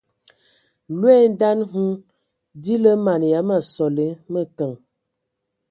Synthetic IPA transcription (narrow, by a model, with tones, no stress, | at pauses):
lwɛ˦˨n˦da˦nɦu˦ | di˦lə˦ma˨n˨ja˨˦ma˨sɔ˨le˨˦mə˦kə˨ŋ